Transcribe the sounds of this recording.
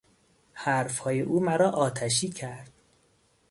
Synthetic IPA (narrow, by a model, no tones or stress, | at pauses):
hæɾfhɒːjeʔuːmæɾɒːʔɒːt̪ʰæʃ̬iːcʰæɾd̪̥̚